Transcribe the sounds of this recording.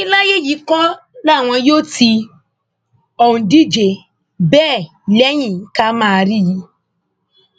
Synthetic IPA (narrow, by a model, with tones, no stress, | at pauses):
i˦la˦je˦˨ji˨˦kɔ̃˦ | la˦˨w̃ɔ̃˧joː˦tʰi˧ | ɔ˨hũ˧˨di˦d͡ʒe˨ | bɛː˦˨ | lɛ˦j̃ĩ˦˨˦ka˦mãː˦˧ɾi˦˨ji˧